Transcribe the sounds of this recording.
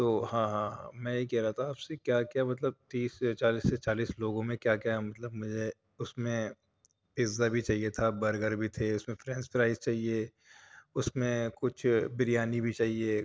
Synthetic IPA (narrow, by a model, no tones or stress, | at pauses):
t̪oːhãːɦãɦã̰mɛ̃jekɛɦɾaat̪ʰaːpsekjaːkjamɐt̪̬ləb̚t̪iːst͡ʃaːliːsːet͡ʃaːliːsloːɡõmẽkjaːkjamɐt̪ləbmʊd͡ʒʱe | ʊsmẽ | pɪzːabʱit͡ʃaːɦijet̪ʰabɐɾɡəɾbʱit̪ʰeʊsmẽfɾɛ̃ːnspɾaːɪzt͡ʃaːɦie | ʊsmẽkʊt͡ʃʰbɪɾijaːnibʱit͡ʃaːɦie